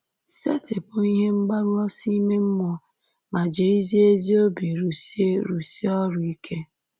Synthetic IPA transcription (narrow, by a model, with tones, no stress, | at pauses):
sḛ˦tɪ˨pʊ˨i˦ɦe˦ŋ͡m̩˦ɡ͡ba˦ɾʊ˦ɔ˦si˦me˦m̩˦mʷ˦ɔ˦ | ma˨d͡ʒi˨ɾi˦zi˦e˦zi˦o˦bi˨ɾu˨si˦e˦ɾu˨si˦ɔ˦ɾʊ˨i˦kʰe˦